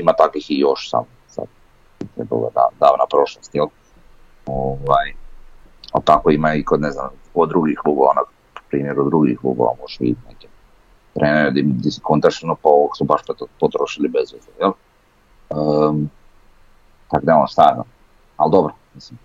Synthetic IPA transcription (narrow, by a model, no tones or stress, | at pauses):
imat̪akʋixijoʃsa̰mo | sa̰d̪ | it̪ɾeba̰d̪a̰d̪a̰d̪aːʋnapɾo̞ʃlˠost̪jel | oʋaj | a̰lt̪akoimaikod̪nezna̰mkod̪ɾuɡixluboʋa̰na | pu̥pɾiːmjeɾud̪ɾuɡḭxlˠṵɡo̰ʋa̰moʒ̥ɛḭt̪neke | t̪ɾʔeːneod̪id̪isi̥kont̪aʃinopaooksubaʃp̪pot̪ɾoʃilibezʋzojel | ə | t̪akd̪eo̰st̪aa | ald̪obɾomislim